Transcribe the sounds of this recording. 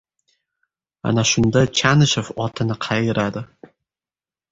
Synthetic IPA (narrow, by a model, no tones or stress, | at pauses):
a̰naʃʊnd̪at͡ʃʰanɪʃɪfɒt̪ʰɪnɪqʰɑjɪɾʔad̪ɪ